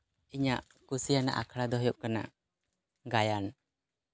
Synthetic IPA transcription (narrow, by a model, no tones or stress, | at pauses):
iɲaʔ | kusijana̰ʔakʰɽad̪ɔɦɔjɔʔkana̰ʔ | ɡajan